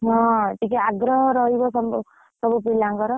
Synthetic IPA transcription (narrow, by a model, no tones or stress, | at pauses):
ɦɔ̃ʈik̬iaɡɾɔɦɔɾɔɦibɔsɔm | sɔbupilaŋkɔɾɔ